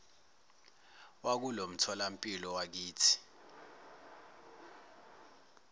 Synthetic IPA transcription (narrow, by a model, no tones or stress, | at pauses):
wak̬ulom̩tʰɔlam̩pʼilɔwak̬iːtʰi̥